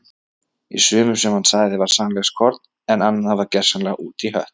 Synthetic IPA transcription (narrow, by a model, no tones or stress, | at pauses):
ḭsʏːmʏsɛmhansaːɣðɪvaɾ̥samlɛxskʰɔɾt̪n | ɛnanːaavaɾcɛr̥sanlɛɣuːt̪ʰiɦœ̰ht̪